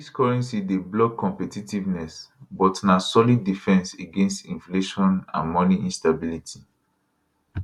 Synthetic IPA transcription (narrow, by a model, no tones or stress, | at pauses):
diskɔɹɛ̃nsideblɔkʰːɔ̃mpɛtitivnɛsbɔtnasɔlidːifɛ̃nseɡẽnstĩnfleʃɔ̃nã̰nmɔniĩnstabilitʰi